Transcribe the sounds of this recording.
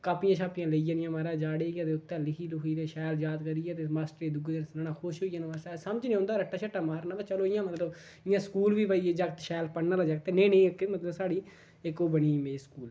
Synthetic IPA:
kaːpɪjãːʃʰaːpɪjãːləijãːnɪjãːmaːɾaːd͡ʒaːɽeːɡjãːt̪eːʊt̪ːãːlɪkʰiːlɦiːt̪eːʃaːld͡ʒaːd̪kəɾiːjaːt̪eːmaːsʈɾeːd̪ʊɡd̪ensnaːnãːkʰoːʃɦoːijaːnːmaːsaːsəməd͡ʒnẽːõːnd̪aːɾəʈːaːt͡ʃʰəʈːaːmaːɾnaːt̪aːt͡ʃəloːɪjãːmət̪ləb | ɪjãːskuːlʋiːpaiːeːd͡ʒəɡt̪ʃɛːlpəɽnaːlad͡ʒəɡ̚t̪enẽːneːkmət̪ləbsaːɽiː | ɪkoːbəniːmeːskuːl

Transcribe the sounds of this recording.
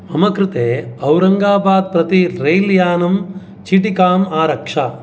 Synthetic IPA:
ɐmɐkɾɪt̪eːɐwɾɐŋɡaːbaːd̪̚pɾɐt̪iɾejljaːnɐm | t͡ʃiʈikaːmaːɾɐkʂa

